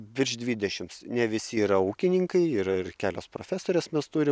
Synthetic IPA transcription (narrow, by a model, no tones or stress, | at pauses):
bʲɪɾʲʃd̪ʲʋʲiːd̪ʲɛʃʲɪmsnʲɛʋʲɪsʲɪiːɾɐuːkʲɪnʲɪŋkɐɪiɪɾɐɪrkʲæːlʲoːspɾoːfʲæːsoːɾʲesmʲɛst̪uːɾʲɪ